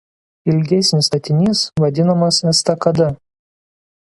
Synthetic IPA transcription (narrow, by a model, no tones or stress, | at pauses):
ɪlʲɡʲɛsʲnʲɪst̪ɐt̪ʲɪnʲiːsʋɐd̪ʲɪnɐmɐsɛst̪ɐkɐd̪ɐ